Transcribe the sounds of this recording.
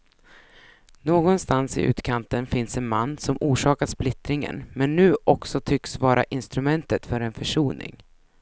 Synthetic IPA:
noːɡɔnst̪ansɪ̰ʔʉ̟̰ːt̪kʰant̪ənfɪnsɛnmanːsɔmuːʂɑːkasplɪt̪ɾɪŋə̰nmɛnːʉ̟ːʔɔksɔt̪ʰʏksvɑːɾʔa̰ʔɪnst̪ɾɵmɛnt̪ət̪fœɾɛnfœʂuːnɪ̰ŋ

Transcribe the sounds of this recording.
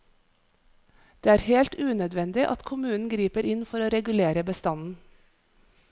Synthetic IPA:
d̪̥eːæːɾheːlt̪ʉːnœd̪ʋɛnd̪ɪʔɑ̰t̪kʰʊmʉːnn̩ɡɾiːpəɾɪnfɔɾoːɾɛɡʉleːɾəbəst̪ɑnn̩

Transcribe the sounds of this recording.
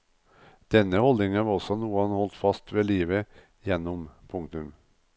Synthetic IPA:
d̪̥ɛnːəhɔld̪ɪŋəʋɑɾɔsɔnuːənhɔlt̪fɑst̪ʋeːliːʋə | jɛnːɔmpʰʊŋt̪ʉm

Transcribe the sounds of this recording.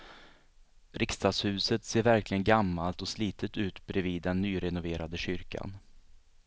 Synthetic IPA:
ɾɪkst̪ɑːd̪shʉ̟ːsət̪seːɾvæɾklɪɡənɡamːalt̪ɔsliːt̪ət̪ʉ̟ːt̪bɾɛviːd̪ːɛnːyːɾɛnʊveːɾad̪əɕʏɾka̰n

